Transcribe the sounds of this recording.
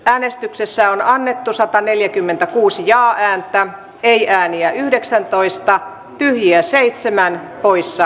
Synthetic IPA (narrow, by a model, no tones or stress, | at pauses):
æːnest̪yksesːæonɑnːet̪ːusɑt̪ɑneljækymːent̪ækuːsijɑːʔæːnt̪æ | eiʔæːniæʔyhdeksænt̪oist̪ɑ | t̪yhjiæseit̪semænpoisːɑ